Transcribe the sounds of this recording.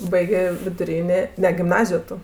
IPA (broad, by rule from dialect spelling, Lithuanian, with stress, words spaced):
ˈbɐɪɡʲeː ʋʲɪdʊˈrʲiːnʲeː ˈnʲɛ ɡʲɪmˈnɑːzʲɪjoː ˈtʊ